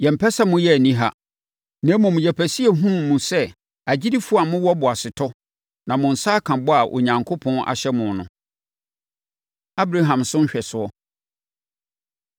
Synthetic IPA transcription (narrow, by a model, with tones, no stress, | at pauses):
jɛ̃˨m̩˨pʰɛ˦sa˦mʊ̃˦jɛ˦æ˨nĩ˦ɦa̰˦ | nɛ̃˨˦mʊ̃˨m̃˨jɛ˨pʰæ˨si˦e˨ɦũ˦mũ˨sɛ˦ | æ˨d͡ʑi˦di˦fʊ˦a˨mʊ̃˦wɔ˦bʊ˨a˨sɪ˨tʰɔ˦ | nã˨mʊ̃˨n̩˨saː˦kʰã˨bɔ˦a˨ʔo̰˨ɲã˨ŋkʰʊ˦pʰɔ̃˦nʔa̰˨ɕɛ˦mʊ̃˨nnʊ̰̃˨ | a˦bɾa˦ɦã˨msʊ̃˦n̩˦ɕᶣɛ˨sʊ˨˦ɔ˦